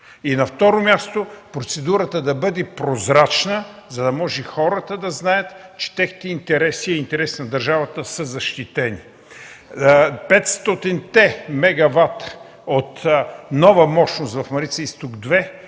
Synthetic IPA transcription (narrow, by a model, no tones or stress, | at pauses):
inɐft̪ɔɾomʲjast̪opɾot̪sɛd̪uɾət̪əd̪ɐbɤd̪ɛpɾozɾat͡ʃnəzɐd̪ɐmɔʒɛxɔɾət̪əd̪ɐznajət̪t͡ʃɛ̥t̪ɛxni̥t̪ɛint̪ɛɾɛsiɛint̪ɛɾɛsinɐd̪ɐɾʒavɐt̪əsəzɐʃt̪it̪ɛni | pɛt̪st̪ɔt̪int̪ɛmɛɡɐvat̪ | ot̪nɔvəmɔʃnost̪vɐfmɐɾit̪sist̪uɡd̪vɛ